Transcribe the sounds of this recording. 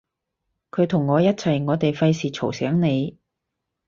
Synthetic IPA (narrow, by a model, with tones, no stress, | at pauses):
kʰɵ˨˧ɥt̪ʰʊ˨˩ŋːɔː˨˧jɐ˥t̚t͡sʰɐ˨˩jŋɔː˨˧t̪e˨jfɐ˧jsiː˨t͡ʃʰo˨˩wsɛː˨˥ŋne˨˧j